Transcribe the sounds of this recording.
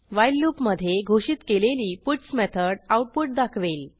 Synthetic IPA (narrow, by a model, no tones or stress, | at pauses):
ʋajlːupməd̪ʱːjeɡʱoɕit̪keleliːpuʈsmɛt̪ʰəɽawʈ̚puʈ̚d̪akʰʋel